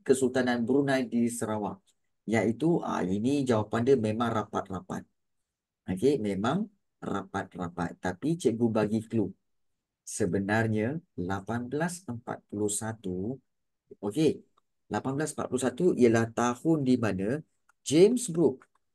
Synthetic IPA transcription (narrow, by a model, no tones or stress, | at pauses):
kəsult̪ananbəɾunajdisəɾawa̰ʔ | jait̪uʔa̰inid͡ʒawapandəmẽmãŋrapa̰t̪̚rapa̰t̪̚ | okemẽmãŋ | ra̰pat̪̚ra̰pa̰t̪ːapit͡ʃəɡubaɡiklu | səbənarɲalapanbəlasəmpa̰t̪̚pulusat̪u | oke | lapanbəlas̬əmpa̰t̪̚pulusat̪uḭjəlaht̪ahʊndimanã | d͡ʒemsbɾuk̚